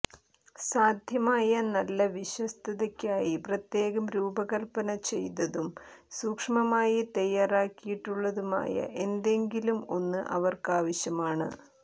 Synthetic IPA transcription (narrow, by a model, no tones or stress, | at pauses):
saːd̪ʱjɐmaːjɐnɐlːɐʋiɕwɐst̪ʰɐðɐkʲːaːjiprɐt̪je̞ːɣɐmɾuːbɐɣɐlpɐnɐt͡ɕe̞jt̪ɐðumsuːkʂɐmɐmaːjit̪ɐjaːraːkːijiʈːuɭːɐðuma̰ːjɐ̰ʔe̞nd̪e̞ŋɡilumo̞nːɨʔɐ̰ʋɐrkaːʋɐɕjɐmaːɳɨ̰